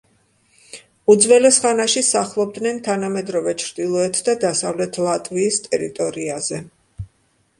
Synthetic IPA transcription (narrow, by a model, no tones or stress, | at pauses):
ud̪zvɛlɛsχanaʃisaχlˠɔb̚d̪nɛnt̪ʰanamɛd̪ɾɔvɛt͡ʃʰɾd̪̥ilˠɔɛt̪ʰd̪ad̪asavlɛt̪ʰlˠat̪ʼviːst̪ʼɛɾḭt̪ʼɔɾiazɛ